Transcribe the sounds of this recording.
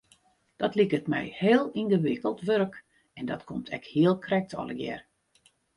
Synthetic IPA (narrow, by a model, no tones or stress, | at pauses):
d̥ɔtlikətmɛ̰jheːəlˠinɡəʋɪkəlˠtʋøɾk | ɛndɔtkʰomtʰɛ̰khiəlˠkʰrɛk̚tɔ̰ləɡjɛ̰r